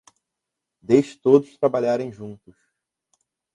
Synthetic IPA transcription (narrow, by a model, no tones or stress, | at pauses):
d̪ed͡ʒɪ̥t̪od̪ʊst̪ɾabaʎaɾẽj̃ʒũnt̪ʊs